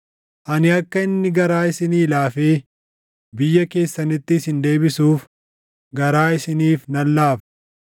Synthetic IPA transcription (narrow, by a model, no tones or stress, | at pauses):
ʔɐnɪɐkːɐɪnːɪɡɐɾaːɪsɪniːlaːfeː | bɪjːɐke̞ːsːɐnɪt̪ːɪːsɪnd̪e̞ːbɪsuːf | ɡɐɾaːɪsɪniːfnɐlːaːf